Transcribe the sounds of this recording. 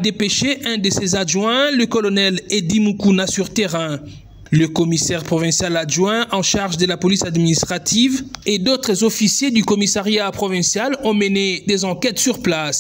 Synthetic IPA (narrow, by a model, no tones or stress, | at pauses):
ad̪epeʃeʔɛ̃d̪əsezaʒwɛ̃ləkɔlɔnɛled̪imukunasyʁt̪eʁɛ̃ | ləkɔmisɛʁpχɔvɛ̃sjalaʒwɛ̃ʔɑ̃ʃaʁʒd̪əlapɔlisad̪minist̪χat̪ʰived̪ot̪χəzɔfisjed̪ykɔmisaʁjapχɔvɛ̃sjalɔ̃məned̪ezɑ̃kʲɛt̪syʁplas